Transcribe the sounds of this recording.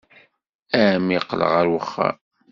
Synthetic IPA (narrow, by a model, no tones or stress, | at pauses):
æmiqːlə̰ʁəɾwəχːa̰